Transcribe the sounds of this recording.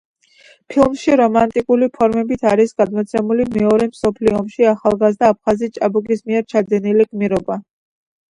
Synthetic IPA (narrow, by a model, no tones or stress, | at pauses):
pʰilˠmʃiɾɔmant̪ʼikʼulipʰɔɾmɛbit̪ʰaɾisɡad̪mɔt̪sʰɛmulimɛɔɾɛmsɔpʰliɔmʃiaχalˠɡazd̪aːp̚ʰχazist͡ʃʼabukʼismiɛɾt͡ʃʰad̪ɛnilikʼmiɾɔba